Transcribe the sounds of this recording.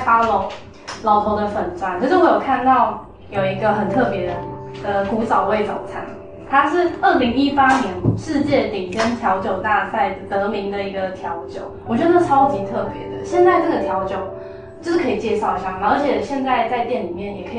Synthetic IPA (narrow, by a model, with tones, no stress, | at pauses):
fa˥lo˧˥ŋ | lɑ˨˧ʊt̪ʰo˧˥ʊd̪ə˧fə˨˩nt͡swa˧˦nt͡sɤ˥˧t͡ɕwe˥˩jo˨˩kʰa˥˧nt̪ɑ˥˨˩ʊ | jo˨˩ʊi˧˥ɡə˧xə˨˩nt̪ʰɤ˥˩pjɛ˧˥d̪ə˨˩d̪̥ə˨ku˧˥t͡sɑ˨˩ʊwe˥˩ɪt͡so˨˩ʊt͡sʰa̰˧˥n | t̪ʰa˥ʂɻ̩˥˧ə˥˩li˧˥ŋi˦˥pa˥njɛ˧˦nʂɻ̩˥˧t͡ɕjɛ˥˩t̪i˨˩kə˦nt̪ʰjɑ˧˥ʊt͡ɕjo˨˩ʊt̪a˥˧sa˥˩ɪdt̪ɤ˧˥mi˧˥ŋd̪ə˨i˧˥ɡə˧t̪ʰjɑ˧˥ʊt͡ɕjo˨˩ʊwɔ˨˩t͡ɕɥɛ˧˥d̪ə˧t͡sʰɑ˥ʊt͡ɕi˧˥t̪ʰɤ˥˩pjɛ̰˨˧˦d̪ə̰˦ɕjɛ˥˧nt͡sa˥˧ɪʈ͡ʂɤ˥˩ɡə˩t̪ʰjɑ˧˥ʊt͡ɕjo˨˩ʊ | t͡ɕʂ̩˥˩kʰɤ˧˥i˨˩t͡ɕjɛ˥˧ʂɑ˥˧ʊi˧˩ɕja˥˩na˨˩oə˧˥t͡ɕʰjɛ˨˩ɕjɛ˥˧nt͡sa˥˧ɪt͡sa˥˧ɪt̪jɛ˥˩nli˨˩mjɛ˥˩njɛ˨˩kʰɤ˧˥˨